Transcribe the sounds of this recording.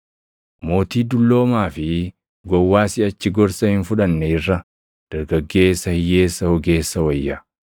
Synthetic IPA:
mo̞ːt̪iːd̪ʊlːo̞ːmaːfɪ | ɡɔwːaːsɪɐt͡ʃːɪɡɔɾsɐhɪnfʊᶑɐnːɛɪrːɐ | d̪̥ɐɾɡɐɡːe̞ːsːɐhɪje̞ːsːɐhɔɡe̞ːsːɐwɐjːɐ

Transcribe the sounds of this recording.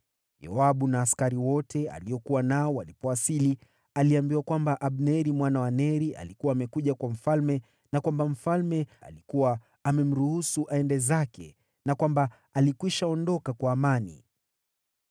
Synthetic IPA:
jɔ̰aɓunaːskaɾiwɔtʰɛa̰liɔkuwanaɔwalipɔwasili | aliambiwakwambaʔaɓnɛɾimwanawanɛɾia̰likuwaːmɛkuʄakwam̩falmɛ | nakwambam̩falmɛa̰likuwaː | mɛm̩ɾuhusuʔaɛndɛzakɛ | nakwamba | alikwiʃaɔndɔkakwaːmanḭ

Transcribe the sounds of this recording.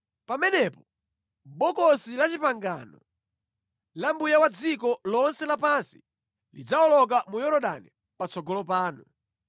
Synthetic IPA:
pamɛnɛpɔ | ɓɔkɔsilat͡ʃipaŋɡanɔ | lambujawad͡zikɔlɔnsɛlapansi̥ | lḭd͡zaɔlɔk̬amujɔɾɔɗa̰ni | pat͡sɔɡɔlɔpaːnu

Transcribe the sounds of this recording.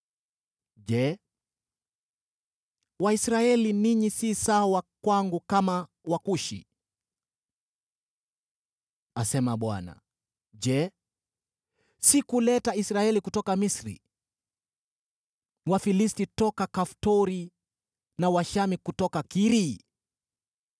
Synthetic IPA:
ʄɛ | waisɾaɛliniɲisisawakwaŋɡukama | wakuʃḭ | asɛmaɓwa̰na̰ | d͡ʒɛ | sikulɛtaisɾaɛlikutɔkamisɾḭ | wafilistitɔkakaftɔɾi | nawaʃamikutɔkakiɾi

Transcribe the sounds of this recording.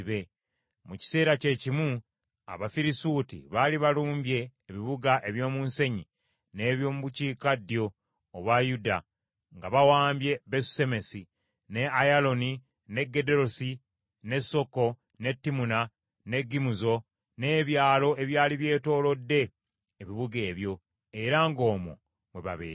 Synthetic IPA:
βe̞ | muci̥se̞ːɾace̞cimu | a̰βafiɾisuːtḭβaliβaluːmbje̞ːβiβuɡaʔe̞βjo̞ːmunse̞ɲi | ne̞ːβjo̞ːmuβuciːkadːjo̞ː | βwajuda̰ | ŋɡaβawaːmbje̞besu̥se̞me̞si | ne̞ajalo̞ni | ne̞ɡːe̞de̞ɾosi | ne̞so̞kːo̞ | ne̞tːimuna | ne̞ɡːimuzo̞ | ne̞ːβjaːlo̞e̞βjaːliβje̞ːto̞ːlo̞dːe̞ː | βiβuɡe̞ːβjo̞ | e̞ɾaŋɡo̞ːmo̰ | mweβa̰βḛː

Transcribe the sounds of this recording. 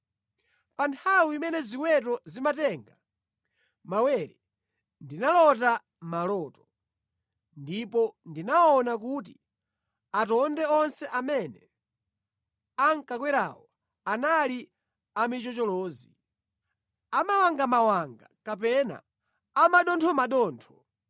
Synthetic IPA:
pantʰawiimɛnɛziwɛt̬ɔzimatɛŋɡa | mawɛɾɛ | ndinalɔta | malɔːtɔ̥ | ndipɔndinaɔnak̬ut̬i | atɔndɛɔnsɛʔamɛnɛ | aŋ̩kak̬wɛɾa̰ːwɔ | anali | amit͡ʃɔt͡ʃɔlɔːzi | amawaŋɡamawaŋɡakap̬ɛna̰ | amaɗɔntʰɔmaɗɔːntʰɔ

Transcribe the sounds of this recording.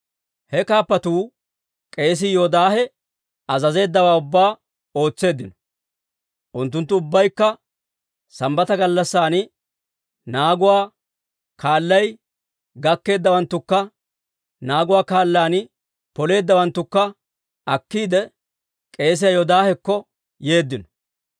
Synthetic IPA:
hɛkaːpːɐt̪uː | kʼe̞ːs̬ɪjod̪aːhɛ | ɐzɐze̞ːd̪ːɐwaːʊbːaː | o̞ːt͡sːe̞ːd̪ːɪnɔ̥ | ʔʊnt̪ːʊnt̪ːʊʊbːɐjkːɐ | sɐmbɐt̪ɐɡɐlːɐsːaːn | naːɡʊwaː | kaːlːɐj | ɡɐkːe̞ːd̪ːɐwɐnt̪ːʊkːɐ | naːɡʊwaːkaːlːaːnɪ | pɔle̞ːd̪ːɐwɐnt̪ːʊkːɐ | ɐkːiːd̪ɛ | kʼe̞ːs̬ɪjɐjod̪aːhɛkːɔ | je̞ːd̪ːɪnɔ̥

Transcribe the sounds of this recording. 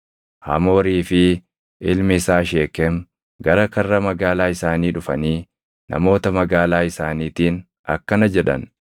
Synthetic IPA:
hɐ̰mo̞ːɾiːfɪ | ʔɪlmɪsaːʃe̞ːkːɛm | ɡɐɾɐkɐrːɐmɐɡaːlaːɪsaːniːᶑʊfɐniː | nʔɐ̰mo̞ːt̪ɐmɐɡaːlaːɪsaːniːt̪iːn | ɐ̰kːɐnɐd͡ʒɛᶑɐ̰n

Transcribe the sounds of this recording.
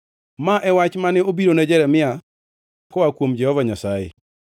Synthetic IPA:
maʔɛwat͡ʃmanɛobiɾonad͡ʒɛɾɛmɪa | kɔakwomd͡ʒɛhɔvaɲasajḛ

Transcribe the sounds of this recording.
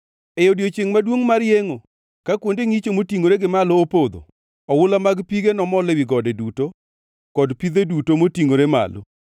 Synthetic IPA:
ejodjot͡ʃeŋmadwoŋmaɾjeŋo | kakwondeŋit͡ʃomotiŋoɾeɡɪmalɔːpod̪o̰ | ɔwʊlamaɡpiɡenɔmɔlewɪɡɔdeduto | kɔdpid̪edutomotiŋoɾema̰lo̰

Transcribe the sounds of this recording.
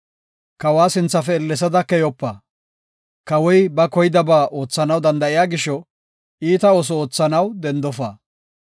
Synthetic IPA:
kɐwaːsɪnt͡sːɐfɛːlːɛs̬ɐd̪ɐkɛjɔpːɐː | kɐwɔjbɐkɔjɪd̪ɐbaːʔo̞ːt͡sːɐnɐwd̪ɐnd̪ɐʔɪjaːɡɪʃɔ | iːt̪ɐoːs̬ɔoːt͡sːɐnɐwd̪ɛnd̪ɔfa̰ː

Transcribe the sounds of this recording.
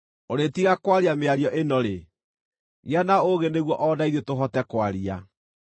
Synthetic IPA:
oɾetiɣakwaɾiameaɾjɔʔenɔɾe | ɣjanaoɣeneɣwɔʔɔdaiðetoɦɔtɛkwaɾia̰

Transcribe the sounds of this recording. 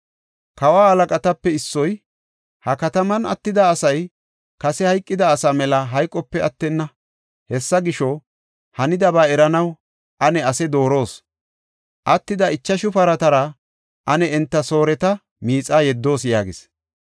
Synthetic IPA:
kɐwaːhɐlɐkʼɐt̪ɐpːɛɪsːɔj | hɐkɐt̪ɐmɐnɐ̰t̪ːɪd̪ɐːsɐj | kɐsɛhɐjkʼːɪd̪ɐːsɐmɛlɐɦɐjkʼːɔpːɛɐt̪ːɛnːɐ | hɛsːɐɡɪʃɔ | hɐnɪd̪ɐbaːɛɾɐnɐw | ʔɐnɛɐsɛd̪o̞ːɾo̞ːs | ʔɐt̪ːɪd̪ɐɪt͡ʃːɐʃʊfɐɾɐt̪ɐɾɐ | ʔɐnɛɛnt̪ːɐso̞ːɾɛt̪ɐ | miːt͡sʼaːjɛd̪ːo̞ːsjaːɡɪs

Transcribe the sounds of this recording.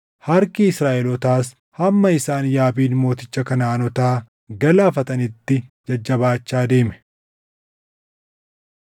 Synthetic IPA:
hɐɾkiɪsɾaːʔɛlɔt̪aːs | hɐmːɐɪsaːnjaːbiːnmo̞ːt̪ɪt͡ʃːɐkɐnaːnɔt̪aː | ɡɐlaːfɐt̪ɐnɪt̪ːɪd͡ʒɐd͡ʒːɐbaːt͡ʃːaːd̪e̞ːmɛ̥

